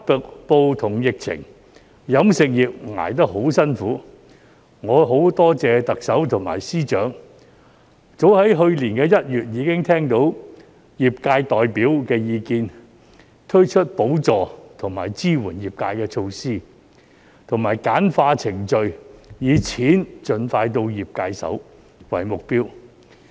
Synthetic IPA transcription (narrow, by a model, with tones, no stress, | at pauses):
pʊ˨k̚po˧wt̪ʰʊ˨˩ŋjɪ˨k̚t͡sʰɪ̰˨˩ŋ | jɐ˨˧˥msɪ˨k̚jiː˨p̚ŋa̰ː˨˩jt̪̬ɐ˥k̚ɦo˨˥wsɐ˥nfuː˨˥ | ŋɔː˨˧ɦo˨˥wt̪ɔː˥t͡sɛː˧t̪ɐ˨k̚sɐ˨˥wt̪ʰʊ˨˩ŋma̰ː˨˩jsiː˥t͡ʃœː˨˥ŋ | t͡so˨˥whɐ˨˥jɦɵ˧ɥliː˨˩nkɛː˧jɐ˥t̚jyː˨t̚jiː˨˧kɪ˥ŋt̪ʰɛː˥ŋt̪o˨˥w | jiː˨˩p̚kaː˧jt̪ɔː˨jpiː˨˥wkɛː˧jiː˨˧kiː˧n | t̪ʰɵ˥t͡ʃʰɵ˥t̚po˨˥wt͡sɔː˨t̪ʰʊ˨˩ŋmaː˨˩jt͡siː˥wuː˨˩njiː˨˩p̚kaː˧jkɛː˧t͡ʃʰo˧wsiː˥ | t̪ʰʊ˨˩ŋmaː˨˩jkaː˨˥nfaː˧t͡sʰɪ˨˩ŋt͡ʃɵ˨˧ɥjiː˨˧t͡sʰiː˨˥nt͡ʃɵ˨nfaː˧jt̪̬o˧wjiː˨p̚kaː˧jsɐ̰˨˥w | wɐ̰˨˩jmʊ˨k̚piː˥w